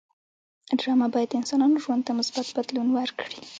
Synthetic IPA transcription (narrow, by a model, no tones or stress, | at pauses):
ɖɾɑmabɑjad̪ɪnsɑnɑnoʒwand̪̚t̪amʊsbat̪bad̪lunwaɾkɽi